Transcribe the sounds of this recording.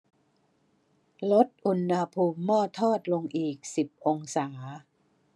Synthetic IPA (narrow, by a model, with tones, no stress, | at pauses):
lo˦˥t̪̚ʔu˧nːa˧pʰuː˧mːɔː˥˩t̪ʰːɔː˥˩t̪̚lo˧ŋʔiː˨˩k̚si˨˩p̚ʔo˧ŋsaː˩˦